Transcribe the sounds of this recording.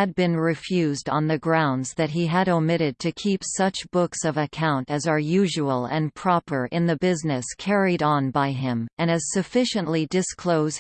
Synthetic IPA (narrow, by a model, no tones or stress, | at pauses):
ɨd̚bɨ̃nɹɪfjʉzdn̩ðɨɡɹãʊ̃ndzðɨt̚ɦiɨɾoʊmɪɾɨd̚tʰɨkʰipsʌt͡ʃb̥ʊksʌvɨkʰãʊ̃ntɨzə˞jʉʒəəl̩ˠɨ̃npʰɹ̥ɑpə˞ʔɪ̃nðɨbɪznɨskʰɛɹiɾn̩baɪɪ̃mɨ̃ñɨz̥sɨfɪʃɨ̃nʔlidɨskʰl̥oʊz